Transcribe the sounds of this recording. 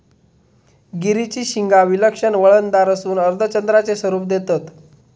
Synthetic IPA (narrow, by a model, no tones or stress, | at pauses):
ɡiɾit͡ɕiːɕiŋɡaʋiləkʂənʋəɭənd̪aɾəsuːnəɾd̪ʱət͡ɕənd̪ɾat͡sesʋəɾuːp̚d̪et̪ət̪